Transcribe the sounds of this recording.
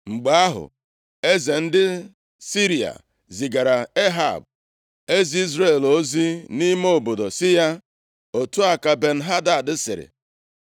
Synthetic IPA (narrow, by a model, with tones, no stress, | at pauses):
ŋ͡m̩˨ɡ͡ba˦a˦ɦʊ̰˨ | e˦ze˨n̩˦dɪ˦ | si˦ɾi˨a̰˨ | zi˨ɡa˨ɾa˨e˦ɦa̰˨b̚ | e˦zi˦i˦zɾe˦˨lo˦zi˦ni˦moo˦˨bo˨do˨sɪ˦ja˦ | o˨tu˦a˨ka˨be˨n̩˨˦ɦa˦da˨dɪ˦sɪ̰˨ɾɪ̰˨